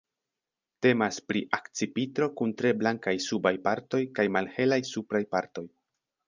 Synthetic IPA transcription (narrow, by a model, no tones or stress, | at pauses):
te̞maspɾiʔakt͡sipitɾo̞kuntɾe̞blaŋkajsubajpaɾto̞jkajmalhe̞lajsupɾajpaɾto̞j